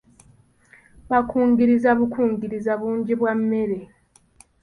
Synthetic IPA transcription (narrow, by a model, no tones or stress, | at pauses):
βakʰuːŋɡiɾizaβukʰuːŋɡiɾizaβuːɲɟiβwamːe̞ɾe̞